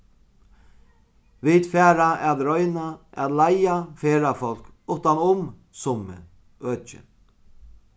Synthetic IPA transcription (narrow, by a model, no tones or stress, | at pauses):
vid̪fɛːɾaɛt̪ɾɔjnaa̰t̪lajafeːɾafɔl̥kʊht̪anʊm | sʊmɪ̰ | œːt͡ʃɪ̰